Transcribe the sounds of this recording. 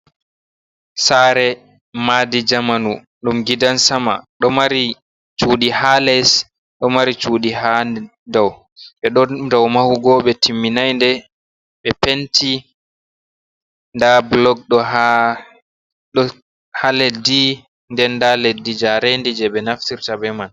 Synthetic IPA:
saɾɛ | madid͡ʒamanu | ɗumɡidansama̰ɗɔmaɾi | t͡ʃuːɗihalɛs | ɗɔmaɾit͡ʃuːɗiɦa | dɔw | ɓɛɗɔdɔwmahuɡɔɓɛtʰimːinajndɛ | ɓɛpenti | ndablɔɡ̚ɗɔɦa | ɗɔ | halɛdi | ndɛnːdaledid͡ʒaɾendid͡ʒɛɓɛnaftiɾtabɛman

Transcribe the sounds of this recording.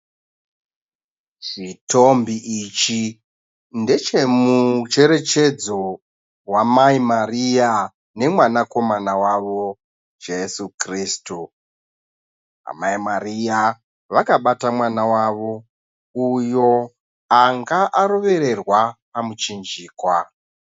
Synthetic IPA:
t͡ʃito̞mbiʔit͡ʃi | nde̞t͡ʃe̞mut͡ʃe̞ɾe̞t͡ʃe̞d͡zo̞ | wamaimarija | ne̞mwanako̞manawaʋo̞ | d͡ʒe̞sukriːstu | a̰maimarija | ʋakaɓatamwanawaʋo̞ | ujo̞ | aŋɡaʔaɾo̞ʋe̞ɾe̞rwapamut͡ʃind͡ʒiːkwa

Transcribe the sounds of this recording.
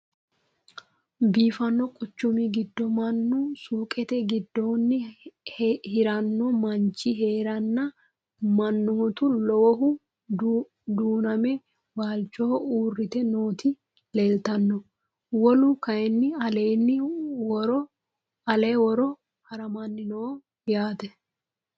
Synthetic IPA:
biːfɐnːɔkʼʊt͡ʃːʊmɪɡɪd̪ːɔmɐnːʊsuːkʼɛt̪ɛɡɪd̪ːoːnːɪ | hɪɾɐnːɔmɐɲt͡ʃːɪɦe̞ːɾɐnːɐ | mɐnːɔɔt̪ʊlɔwɔɦʊ | d̪uːnɐmɛ | baːlt͡ʃːɔhɔuːrːɪt̪ɛnoːt̪ɪ | leːlt̪ɐnːɔ | wɔlʊkɐjɛnːɪɐleːnːɪɾɔ | ɐleːwɔɾɔ | hɐɾɐmɐnːɪnoː | jaːt̪ɛ

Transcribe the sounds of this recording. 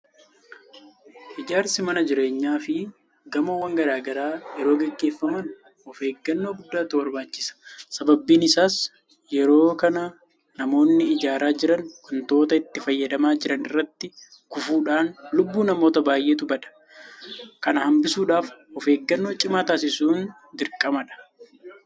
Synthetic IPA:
ʔɪd͡ʒaːɾsɪmɐnɐd͡ʒɪɾe̞ːɲːaːfɪ | ɡɐmɐwɐŋɡɐɾaːɡɐɾaːjɛɾo̞ːɡɛɡːe̞ːfːɐmɐn | ɔfe̞ːɡːɐnːo̞ːɡʊd̪ːaːt̪ʊbɐɾbaːt͡ʃːɪ̥sɐ̥sɐbɐbːiːnɪsaːs | jɛɾo̞ːkɐnɐ | nɐmo̞ːnːɪɪd͡ʒaːɾaːd͡ʒɪɾɐnwɐnt̪o̞ːt̪ɐɪt̪ːɪfɐjːɐd̪ɐmaːd͡ʒɪɾɐnɪrːɐt̪ːɪ | kʊfuːᶑaːnlʊbːuːnɐmoːt̪ɐbaːjʔeːt̪ʊbɐᶑɐ̥ | kɐnɐhɐmbɪsuːᶑaːfɔfe̞ːɡːɐnːo̞ːt͡ʃʼɪmaːt̪aːsɪsuːn | d̪ɪɾkʼːɐmɐᶑɐ̥

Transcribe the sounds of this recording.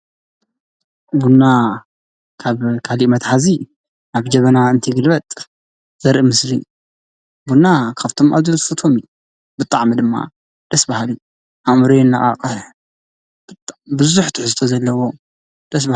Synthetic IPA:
bunːa | kʰaβkʰalimɐt̪ħazi | ʔaβd͡ʒɐβɐnaɨnt̪ʰiɡɨlbɐt̪ʼ | z̥ɐɾʔimɨsli | bunːakʰaβt̪ʰo̞mʔa̰βzult̪fɐt̪ʰomju | bɨt̪ʼːaʕmid̪ɨmːa̰ | d̪̥ɐsbahalju | ʔamɾenːaʔʼa̰qʼɐħ | bt̪bɨzuħt̪ʰɪħzɨt̪ʰozɐlːɐwo̞ | d̪̥ɐsba

